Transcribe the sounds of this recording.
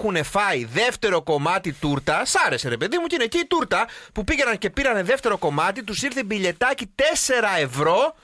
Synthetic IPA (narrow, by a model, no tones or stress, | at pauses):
xune̞fɐiðe̞ft̪e̞ɾo̞ko̞mɐt̪it̪uɾt̪ɐsɐɾe̞se̞ɾe̞pe̞ðimucineciit̪uɾt̪ɐpupiʝenɐnce̞piɾɐne̞ðe̞ft̪e̞ɾo̞ko̞mɐt̪it̪̬usiɾθebiʎe̞t̪ɐcit̪e̞se̞ɾɐe̞vɾo̞